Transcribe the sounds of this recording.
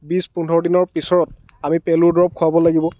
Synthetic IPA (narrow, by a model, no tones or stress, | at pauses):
bispunʱɔɹɔdinɔɹpisɔɹɔt̚ | amipɛlʊɹdɹɔp̚kʰʊabɔlaɡibɔ